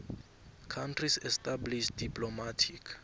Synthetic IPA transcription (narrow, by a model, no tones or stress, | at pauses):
kʰãntʰrisɛstabliʃdipʼlɔmatʰik